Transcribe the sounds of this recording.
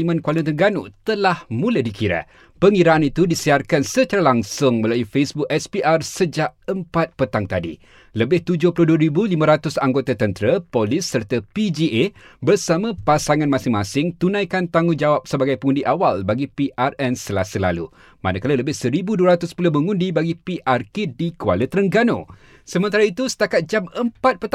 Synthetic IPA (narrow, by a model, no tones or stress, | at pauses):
imə̃nkwalit̪əŋɡanṵt̪əlahmũladikiɾa̰ | pəŋiɾaanit̪udisiarkansət͡ʃaɾalaŋsʊŋmə̃laufesbʊkɛspiʔarsəd͡ʒaʔəmpat̪̚pət̪aŋt̪adḭ | ləbɪht̪ud͡ʒʊhpulʊhduəɾibulimãɾat̪ʊsaŋɡot̪at̪ənt̪ɾəpolɪsːərt̪apid͡ʒiʔebərsamə̃pasaŋãnmãsɪŋmasɪŋt̪unãjkant̪aŋũnd͡ʒawap̚səbaɡajpəŋũndiʔawalbaɡipiʔarɛnsəlasəla̰lṵ | ma̰nəkalaləbɪhsəɾibuduəɾat̪ʊspulʊhməŋũndibaɡipiʔarkedikua̰lət̪ɾəŋɡanõ̰ | səmənt̪aɾait̪usə̥t̪akat̪̚d͡ʒaməmpat̪̚pət̪